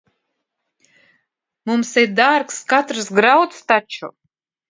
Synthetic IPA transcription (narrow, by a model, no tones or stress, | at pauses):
mumsɛjd̪aɾkskat̪ɾsɡɾawt̪st̪at͡ʃʰṵ